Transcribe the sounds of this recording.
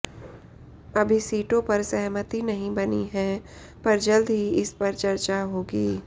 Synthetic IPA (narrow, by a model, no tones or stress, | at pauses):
ɐbʱisiːʈõpɐɾsɛɦmət̪ɦinɐɦĩbɐniɦɛː | pɐɾd͡ʒɐld̪ɦiɪspɐɾt͡ʃɐɾt͡ʃaɦoːɡiː